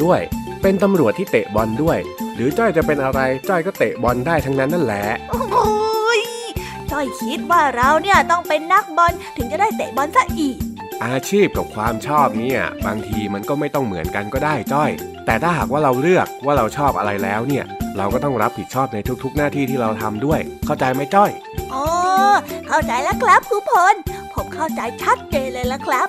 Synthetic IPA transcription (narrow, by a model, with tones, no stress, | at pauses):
d̥u˥˩əjpe˧nt̪a˧mɾu˨˩ət̪ʰːiː˥˩t̪e˨˩ʔbɔ˧ndu˥˩əjɾɯː˩˦t͡ɕɔ˥˩jt͡ɕa˨˩pe˧nʔa˧ɾa˧jt͡ɕɔ˥˩jkɔː˥˩t̪e˨˩ʔbɔ˧ndaː˥˩jt̪ʰa˦˥ŋna˦˥nːa˥˩nlɛ˨˥ʔʔo | j | t͡ɕɔ˥˩jkʰi˦˥t̪̚waː˥˩ɾa˧wni˥˩ɐt̪ɔ˥˩ŋpe˧nːa˦˥k̚bɔ˧nt̪ʰɯ˨˩˦ŋt͡ɕa˨˩daː˥˩jt̪e˨˩bɔ˧nsa˧˥ʔʔiː˨˩k̚ | ʔaː˧t͡ɕʰiː˥˩p̚ka˨˩p̚kʰwaː˧mt͡ɕʰɔː˥˩p̚ni˥˩ɐbaː˧ŋt̪ʰiː˧ma˧nkɔː˥˩ma˥˩jt̪ɔ˥˩ŋmɯ˨˩˦ənka˧nkɔː˥˩daː˥˩jt͡ɕɔ˥˩jt̪ɛː˨˩t̪ʰaː˥˩ɦaː˨˩k̚waː˥˩ɾa˧wɾɯ˥˩ək̚waː˥˩ɾa˧wt͡ɕʰɔː˥˩p̚ʔa̰˧ɾa˧jlɛ̰ː˦˥wni˥˩ɐɾa˧wkɔː˥˩t̪ɔ˥˩ŋɾa˦˥p̚hi˨˩t̪̚t͡ɕʰɔː˥˩p̚na˧jt̪ʰu˦˥k̚t̪ʰu˦˥k̚naː˥˩t̪ʰiː˥˩t̪ʰiː˥˩ɾa˧wt̪ʰa˧mdu˥˩əjkʰa˥˩wt͡ɕa˧jma˦˥˩jt͡ɕɔ˥˩j | ʔɔː˧˩˧kʰa˥˩wt͡ɕa˧jla˦˥kʰla˦˥p̚kʰuː˧˥pʰo˧˥npʰo˦˥p̚kʰa˥˩wt͡ɕa˧jt͡ɕʰa˦˥t̪̚t͡ɕeː˧nlɤː˧jla˧˥kʰɾa˦˥p̚